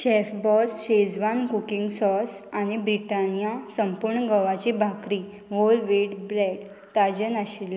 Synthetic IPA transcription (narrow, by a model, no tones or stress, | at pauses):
ɕɛfbɔsɕed͡zʋankukiŋɡsɔsañibɾiʈanijasəmpuɾɳəɡəʋat͡ɕibʱakɾi | ʋolʋeɽbɾɛɖ | t̪ad͡ʑənəɕilː